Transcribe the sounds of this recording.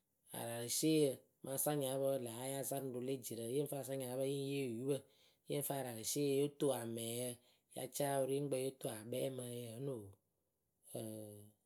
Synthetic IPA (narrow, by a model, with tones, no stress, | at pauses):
a̰˨ɾa˨ɾə˨ʃe˦jə˧ | mʔa˧˦sa˦ɲ˨a˨˦bə˦˨la˨˦ja˦za˦ɾdo˧le˦˨d͡ʒi˨ɾə˨˦e˦n̩˦fa˦˨sa˦ɲ˨a˨˦bə˦ji˦je˦˨ju˦bə˦ | e˦ɱ̩˦faː˦˨ɾa˨ɾə˨se˦˧˦jo˦to˦a˨mɛ˨jə˧ | ja̰˨˦t͡ʃa˦wo˧˦ɾi˦ŋ͡m̩˦ɡ͡bə˧˦jo˦to˦˨a˨bɛ˦mə˧jə˦no˨ | ə˨